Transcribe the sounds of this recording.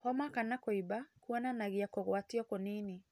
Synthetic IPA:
hɔmakanakoibakuɔnanaɣiakoɣwatiɔkonini

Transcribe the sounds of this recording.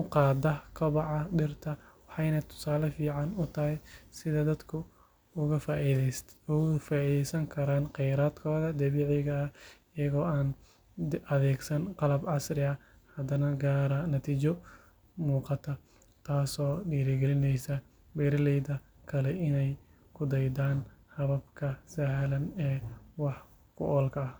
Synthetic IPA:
ʊqɑːd̪ɐkʰɐβɑʕɑɖɪrt̪ʰɐwɑħɑjnɐt̪ʰʊ̥saːlɐfiːʕɑnʊt̪ʰɐhɛjsɪðɐd̪ɐd̪kʰʊ | ʊɣɐf | ʊfaːiːðɛjsɐŋkʰɐɾaːnqɛjɾaːd̪kʰɔːðɐd̪ɐβiːʕɪɣɐɐɪjɐɣɔːaːn | ɐðɛːɡsɐnqɑlɐbʕɑsrɪɐ | hɐd̪ɐnɐɡaːɾɐnɐt̪ʰiːt͡ʃɔ | muːqɑt̪ʰɐ | t̪ʰaːsɔːɖiːɾɪɡɛlɪnɛjsɐ | bɛːɾɐlɛjd̪ɐ | kʰɐlɛɪnɛj | kʰʊd̪ɐjd̪aːnhɐβɐbkʰɐsahlɐnɛːwɑħ | kʰʊ̰ʔɔːlkʰɐɐh

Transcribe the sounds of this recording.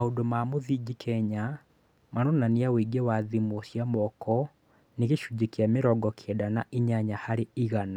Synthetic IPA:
aodomamoðid͡ʒikʰɛɲa | manɔnaniaweiɡɛwaðimosjamɔkɔ | neɣeɕud͡ʑekiameɾɔɡɔkʰedanaʔiɲaɲahaɾeiɣana

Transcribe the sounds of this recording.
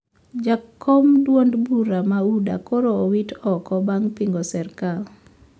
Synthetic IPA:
d͡ʒakʰːomdwondbuɾamauda̰koɾoowitɔkɔbaŋpiŋɡosɛrkal

